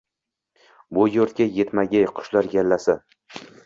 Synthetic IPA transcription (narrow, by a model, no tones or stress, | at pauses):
bʊjoɾt̪̚kʲajet̪maɡʲajqʰʊ̥ʃlaɾɡʲalːasa